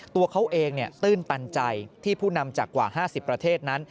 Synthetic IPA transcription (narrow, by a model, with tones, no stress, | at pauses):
t̪u˧ɐkʰa˦˥wʔeː˧ŋni˥˩t̪ɯː˥˩nt̪a˧nt͡ɕa˧jt̪ʰiː˥˩pʰuː˥˩na˧mt͡ɕaː˨˩kːwa̰ː˨˩haː˥˩si˨˩pːɾa˧t̪ʰeː˥˩t̪̚na˦˥n